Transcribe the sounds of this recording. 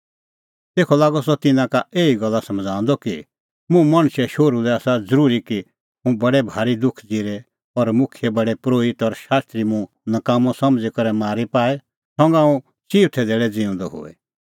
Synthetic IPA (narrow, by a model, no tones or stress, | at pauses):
t̪eːkʰɔlaːɡɔsɔt̪ɪnãkaeːiɡɐlːasɐmd͡zʱãːnd̪ɔki | mũmɐɽ̃ʃɛʃoːɾulɛaːsad͡zəɾuːɾiki | mũbɐɽɛbʱaːɾid̪ʊkʰd͡ziːɾɛ | ɔɾmʊkʰjɛbɐɽɛpɾoːɪt̪ɔɾʃaːst̪ɾimũ | nɐkaːmɔ̃sɐmd͡zikɐɾɛmaːɾipaːɛ | sɔ̃ːŋɡãːũ | siːʋt̪ʰɛd̪eːɽɛd͡ziʊ̃nd̪ɔɦʊ̰ːɛ̰